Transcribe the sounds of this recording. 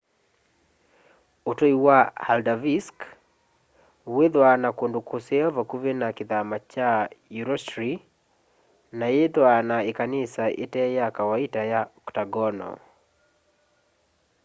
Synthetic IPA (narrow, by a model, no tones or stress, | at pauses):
otoiwahaldavisk | weðwanakondokoseɔvakuβenakeðamat͡ʃajuɾɔstɾi | najeðwanaekanisaʔḛtɛjakawaitajaɔktaɡɔnɔ̰